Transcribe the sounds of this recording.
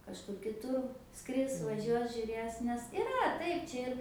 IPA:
kɐʃˈkʊr kʲɪˈtʊr ˈskrʲɪs ʋɐˈʒʲuɔs ʒʲʊˈrʲeːs nʲɛs ɪˈrɐ ˈtɐɪp ˈt͡ʃʲɛ ɪr

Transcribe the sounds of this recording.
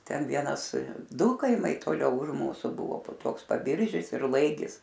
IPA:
ˈtʲɛn ˈʋʲiɛnɐs ˈdʊ kɐɪˈmɐɪ toːˈlʲɛʊ ʊʃ ˈmuːsʊ ˈbʊʋoː poː ˈtoːks pɐˈbʲɪrʲʒʲɪs ɪr ˈlˠɐɪɡʲɪs

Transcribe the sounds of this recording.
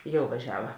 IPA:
ˈjɛʊ ʋɐˈʒʲæːʋɐ

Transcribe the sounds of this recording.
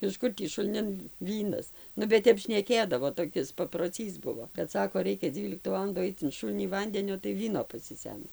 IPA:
ɪʃ ˈkʊr tʲiː ʃʊlʲˈnʲɪn ˈʋʲiːnɐs ˈnʊ bʲɛt ˈtʲɛp ʃʲnʲɛˈkʲeːdɐʋoː toːˈkʲɪs pɐproːˈt͡sʲiːs ˈbʊʋoː kɐt ˈsɑːkoː ˈrɐɪkʲɛ ˈd͡zʲiːlʲɪktʊ ˈʋɑːlˠɐndʊ ˈɐɪt͡s ɪn ˈʃʊlʲnʲiː ˈʋɐnʲdʲɛnʲoː tɐɪ ˈʋʲiːnoː pɐsʲɪˈsʲɛmʲsʲɪ

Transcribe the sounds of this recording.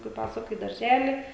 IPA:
kɐɪ ˈpɑːsʊkɐ ɪ dɐrʲˈʒʲæːlʲɪ

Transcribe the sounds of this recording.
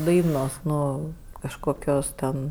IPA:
ˈdɐɪnoːs ˈnʊ kɐʃkoːˈkʲoːs tʲɛn

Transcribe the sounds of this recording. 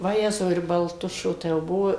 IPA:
ʋɐˈjæːzɐʊ ɪr bɐlˠˈtʊʃʲoː tɐɪ jɛʊ ˈbuɔ

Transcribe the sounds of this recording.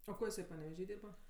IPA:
oː ˈkoː jɪˈsɐɪ pɐnʲɛʋʲɛˈʒʲiː ˈdʲiːrbɐ

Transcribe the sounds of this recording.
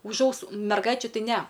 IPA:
ʊʃ ˈɐʊsuː mʲɛrˈɡɐɪt͡ʃʲuː ˈtɐɪ ˈnʲɛ

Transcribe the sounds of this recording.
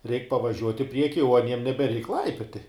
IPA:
rʲɛɪk pɐʋɐˈʒʲuɔtʲ ɪ ˈpʲrʲiɛkʲɪ oː ɐˈnʲiɛm nʲɛbʲɛˈrʲɛɪk ˈlˠɐɪpʲoːtʲɪ

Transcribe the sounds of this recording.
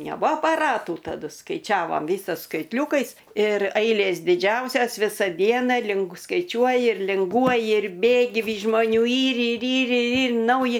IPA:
nʲɛˈbʊɐ ɐpɐˈrɑːtuː tɐˈdʊ skɐɪˈt͡ʃʲæːʋɐm ˈʋʲiːsoːs skɐɪtʲˈlʲuːkɐɪs ɪr ˈɐɪlʲeːs dʲɪˈd͡ʒʲɛʊsʲɛs ˈʋʲɪsɐ ˈdʲiɛnɐ lʲɪŋɡʊ skɐɪˈt͡ʃʲuɔjɪ ɪr lʲɪŋˈɡuɔjɪ ɪr ˈbʲeːɡʲɪ ˈʋʲiːs ʒmoːˈnʲuː ˈiːr ɪr ˈiːr ɪr ˈiːr ˈnɐʊjɪ

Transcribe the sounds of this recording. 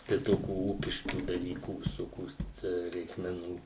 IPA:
tɐɪ ˈtoːkʲuː ˈuːkʲɪʃkuː dɐˈlʲiːkuː ʋʲɪsoːˈkʲoːs ˈtʲæː rʲɛɪkmʲɛˈnuː

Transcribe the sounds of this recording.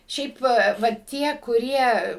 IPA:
ˈʃʲɛɪp ʋɐ ʋɐ ˈtʲiɛ kʊˈrʲiɛ

